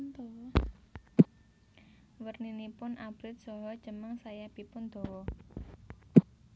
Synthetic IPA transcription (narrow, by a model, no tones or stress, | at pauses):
d̪ | wərninipʊnʔab̥ɾɪt̪̚sɔɦɔd̥ʒ̥ə̤məŋsajab̥i̤pʊnd̪̥ɔ̤wɔ